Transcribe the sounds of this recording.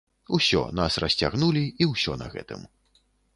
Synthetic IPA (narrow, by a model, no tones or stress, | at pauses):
usʲɔ̰nasrɐsʲt͡sʲaɣnulʲiiwsʲɔnɐ̰ɣɛ̰t̪ɨ̰m